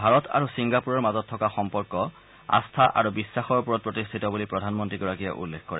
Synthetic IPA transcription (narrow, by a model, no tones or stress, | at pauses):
bʱaɹɔtʰa̰ɹusiŋɡapuɹɔɹmazɔtʰːɔkaxɔmpɔɹkɔ | a̰stʰaʔa̰ɹubisːaxɔɹpuɹɔt̚pɹɔtistʰitɔbulipɹɔdʱanmɔntɹiɡɔɹakija̰ʔṵlːekʰkɔɹɛ